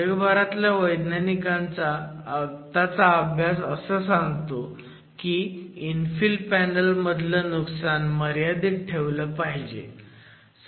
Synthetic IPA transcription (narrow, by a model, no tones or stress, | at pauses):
əɡbaɾat̪ljaʋəjd̪nanikãnt͡saː | t̪at͡saəbʱjasəsəːsãŋɡt̪o | kiinfilpænəlməd̪ʱləːnuksanməɾjad̪iːʈʰeʋləːpaɦid͡ʑḛ